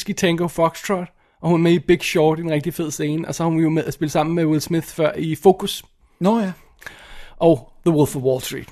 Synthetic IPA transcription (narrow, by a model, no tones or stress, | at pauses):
sɡ̥it͡sʰeŋɡ̥oʊfɒ̽ɡ̥st͡sʰʁɑd̥ | ʔɒ̽hunmeib̥e̝ɡ̥ɕɒːd̥e̝nʁɛɡ̥̚d̥ife̝ð̞̰ˠse̝ːnəʔɒ̽sɒ̽hɑhunʋijo̝meðˠæsb̥e̝ləsɑ̈m̰n̩mewɪlsmið̥fɶɐ̰ifo̝ːkʰus | noj | ʔɒʊðəwulˠfɒwɔːlstd̥ʁḭːd̥